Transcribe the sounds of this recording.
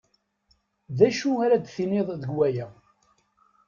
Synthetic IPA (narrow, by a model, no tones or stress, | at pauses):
ðæʃuaɾæd̪θineðˤðəɡwæjæ